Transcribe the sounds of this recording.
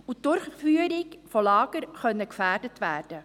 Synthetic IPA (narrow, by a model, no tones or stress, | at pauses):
udʊrχfyːəɾɪkfɔlɑːɡərχœnəɡəfæːrdətvæːrdə